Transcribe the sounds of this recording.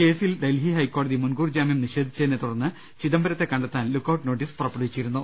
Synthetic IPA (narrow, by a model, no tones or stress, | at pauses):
ke̞ːsild̪elɦiɦɐjkːo̞ːɽɐðimunɡuːrd͡ʑaːmjɐmniʂe̞ːd̪ʱit͡ɕːɐðnet̪ːuɽɐnːɨ | t͡ɕiðɐmbɐɾɐt̪ːe̞kːɐɳɖet̪ːaːnlukːɐwʈno̞ːʈːispurɐpːɐɽɐit͡ɕːijiɾunːu